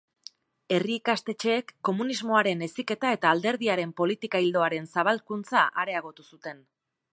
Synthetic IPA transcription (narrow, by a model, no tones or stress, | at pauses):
e̞riːkast̪e̞t͡ʃe̞ːkːo̞munizmo̞aɾe̞ne̞sike̞t̪ae̞t̪aːld̪e̞ɾðiaɾe̞mpo̞lit̪ikaild̪o̞aɾe̞nsaβ̞alkunt͡saʔaɾe̞aɣ̞o̞t̪usut̪e̞n